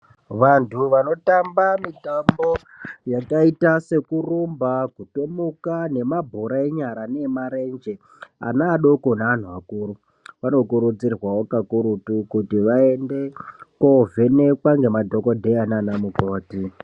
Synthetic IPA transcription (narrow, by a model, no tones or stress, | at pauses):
ʋantʰuʋano̞tambamitambo̞ | jakaitase̞kurumbakuto̞mukane̞mabʱoɾae̞ɲaɾane̞maɾe̞nd͡ʒe̞ | a̰naːɗo̞ko̞naan̤uʋakuːɾu | ʋano̞kuɾud͡zirwawokakuɾutukutiʋae̞nde̞kovʱene̞kwaŋɡe̞madʱo̞ko̞dʱeananamukoːti